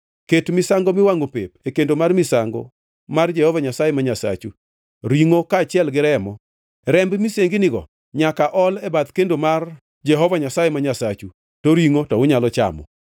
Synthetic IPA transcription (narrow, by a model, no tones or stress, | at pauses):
ketmɪsaŋɡomɪwaŋopḛpekendomarmɪsaŋɡɔ̰ | mard͡ʒɛhɔvaɲasajemaɲasa̰t͡ʃu | ɾiŋokaːt͡ʃɪɛlɡɪɾɛmɔ | ɾɛmbmiseŋɡɪnɪɡɔ̰ | ɲakaʔɔlɛbat̪kendomar | d͡ʒɛɦɔvaɲasajɛmaɲasat͡ʃu | toɾiŋotɔʊɲalɔt͡ʃa̰mɔ̰